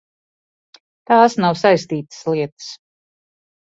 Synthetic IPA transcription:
t̪aːsnawsajst̪iːt̪ɨ̥sliɛt̪ɨ̥s

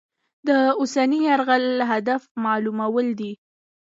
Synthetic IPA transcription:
d̪əʊsaniaɾɣalɦad̪afmɑlumawəld̪i

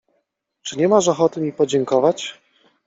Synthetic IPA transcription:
t͡ʂɘɲɛmaʂ̬ɔxɔt̪ɘmʲipɔd͡ʑɛŋkɔvat͡ɕ

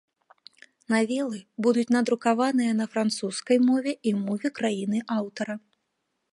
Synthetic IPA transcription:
navʲɛlˠɨbud̪ut͡sʲnɐd̪ɾukavanɨjɐnɐfɾant̪suskɐjmɔvʲɛʔimɔvʲɛkɾajin̪ɨʔawt̪ɐɾɐ

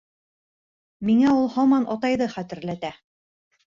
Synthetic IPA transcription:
miŋæulˠhɑmɑnʔɑt̪ɑjðɤχæt̪ɘ̆ɾlæt̪æ

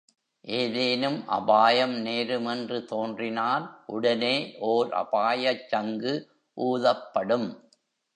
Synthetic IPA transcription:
ʔeːðeːnɯmʔɐ̰baːjɐmneːɾɯmɛndrɯt̪oːndrɪnaːlʔʊɽɐneːʔoːɾɐ̰baːjɐt͡ʃːɐŋɡɯ | ʔuːðɐpːɐɽɯm

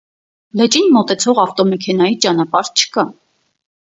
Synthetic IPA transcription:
lɛt͡ʃinmɔt̪ɛt͡sʰɔʁɑft̪ɔmɛkʰɛn̪ɑjit͡ʃɑn̪ɑpɑɾt͡ʃʰə̥kɑ

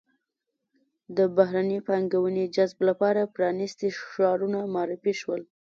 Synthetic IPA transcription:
d̪əbaɦɾanipaŋɡawəned͡ʒazblapɑɾapɾɑnist̪iʃɑɾunamɑɾɪfiʃwəl

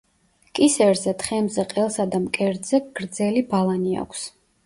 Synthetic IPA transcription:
kʼisɛɾzɛt̪χɛmzɛqʼɛlˠsad̪amkʼɛɾd̪zɛɡ̥ɾd̪zɛlibalˠania̰kʷʰs

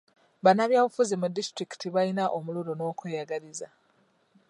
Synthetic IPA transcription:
βanːaβjaːβufuzimudistɾiki̥tiβalinaʔomuluɾono̞ːkwejaɡaliza

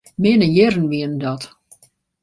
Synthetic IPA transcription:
mɪnəjɛrən̩ʋiəndɔt

